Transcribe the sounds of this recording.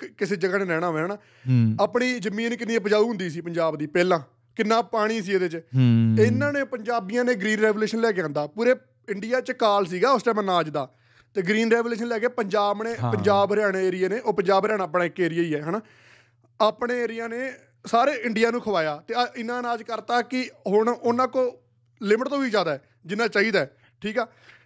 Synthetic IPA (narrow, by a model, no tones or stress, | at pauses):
kɪseːd͡ʒəɡãːnẽːɾɛːɽ̃aːɦoːeːɛːnaː | aːpɽiːzəmĩːnkɪniẽːpəd͡ʒaːuːɦʊ̃nd̪iːsiːpəɲd͡ʒaːbd̪iːpɛːlãː | kɪnːãːpaːɽ̃iːsiːed̪et͡ʃɪnːãːneːpəɲd͡ʒaːbijãːneːɡɾiːnɾɛːʋoːleːʃənlɛːkeãːnd̪aːpuːɾeː | ɪɳɖɪjaːt͡ʃkaːls̬iːɡaːʊst͡ʃamənaːd͡ʒd̪aː | t̪eːɡɾiːnɾɛːʋoːleːʃənlɛːkeːpəɲd͡ʒaːbneːpəɲd͡ʒaːbɾɪjaːɽ̃eːeːɾɪjeːneːʔoːpəɲd͡ʒaːbɾjaːñaːpnãːɪkːeːɾɪjaːiːɛːɦɛnaː | aːpɳeːeːɾɪjãːneː | saːɾeːɪɳɖɪjaːnũːkʰəʋaːjaːt̪eːɪnãːnaːd͡ʒkəɾt̪aːkɪɦʊɳʊnãːkoː | lɪmʈt̪õːʋiːd͡ʒaːd̪aːɛː | d͡ʒɪnːãːt͡ʃaːiːd̪aːɛː | ʈʰiːkɛː